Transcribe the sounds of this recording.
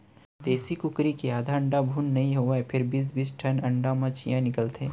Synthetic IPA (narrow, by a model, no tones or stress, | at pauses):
d̪eːsikʊkɾikeaːd̪ʱaə̃ɳɖabʱuːnːɐɦĩɦoaepʰɪɾbɪsbɪsʈʰɐnɐ̃ɳɖamãt͡ʃʰijãnɪkəlt̪eː